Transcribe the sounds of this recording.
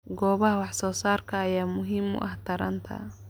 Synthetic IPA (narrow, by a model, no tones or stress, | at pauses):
ɡɔːβɐɦɐwɑħsɔːsaːrkʰɐːjaːmʊɦiːmʊ̰ʔɐht̪ʰɐɾɐ̰nt̪ʰɐ̰